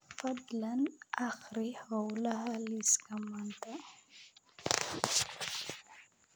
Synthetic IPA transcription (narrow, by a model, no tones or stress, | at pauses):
fɐd̪lanʔaxɾiawlaɦaliskamant̪ʰa